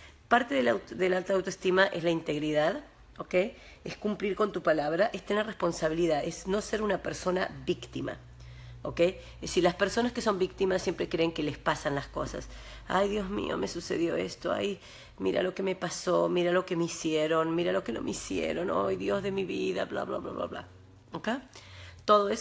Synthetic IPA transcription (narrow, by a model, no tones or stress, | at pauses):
paɾt̪eðelawðelalt̪aːwt̪oest̪imaʔezlaint̪e̞ɣɾiðað | okej | eskumpliɾko̞nt̪upalaβɾaʔest̪enerespo̞nsaβ̞iliðaðesno̞se̞ɾunape̞ɾso̞nabikt̪ima̰ | oke̞j | silaspeɾso̞naskeso̞mbik̚t̪imasːje̞mpɾekɾeːŋkelespasanlaskosa̰s | a̰jðjo̞zmḭo̞̰me̞suse̞̰ðjo̞̰ḛst̪oa̰j | miɾa̰lo̞keme̞paso̞miɾalo̞kemeisjeɾo̞nmiɾalo̞keno̞̰meisjḛɾo̞no̰jðjo̞zðe̞miβiða̰bla̰βla̰βla̰βla̰βla̰ | okejt̪o̞ðoe